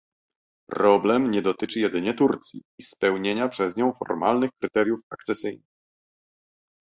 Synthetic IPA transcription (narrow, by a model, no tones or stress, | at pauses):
pɾɔblɛmɲɛd̪ɔt̪ɘt͡ʂɘjɛd̪ɘɲɛt̪uɾt̪sʲjḭːspɛwɲeɲapʂɛzɲɔ̃w̃fɔ̰ɾmalnɘxkɾɘt̪ɛɾʲjufakt̪sɛsɘjnɘx